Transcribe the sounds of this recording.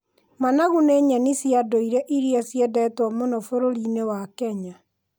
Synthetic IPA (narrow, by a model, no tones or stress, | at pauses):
manaɣuneɲanisjadoiɾɛʔiɾiasjɛdɛtwɔmonɔfoɾoɾinewakɛɲa